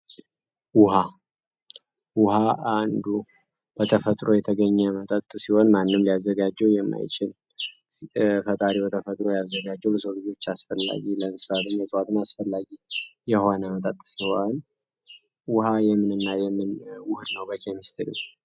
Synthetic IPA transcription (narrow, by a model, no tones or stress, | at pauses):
wʊha | wʊhaand̪u | b̥ət̪ʰəfət̪ʼɾo̞jɛt̪ʰəɡəɲːɛmət̪ʼət̪ʼːɨsiho̞nmanːɨmlijazːəɡad͡ʒɛwjɛmːa̰jt͡ʃʼɪl | fət̪ʼaɾibət̪ʰəfət̪ʼɾo̞jazːəɡad͡ʒːɛwləsəwlɨd͡ʒo̞t͡ʃːasfəlːa̰ɡilənsad̪ɨmjəsʼwat̪ʰɨnasfəlːaɡijɛhonəmət̪ʼət̪ʼːɨ̥sihoan | wʊhajɛmːɨnɨnːajɛmːɨnwʊhd̪nəwbəkʰʼɛmist̪ʰəɾṵ